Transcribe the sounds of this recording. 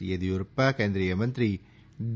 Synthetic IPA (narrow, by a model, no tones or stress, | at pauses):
jɐðiʊɾpːaːkeːnd̪ɾijɐmɐnd̪ɾi | d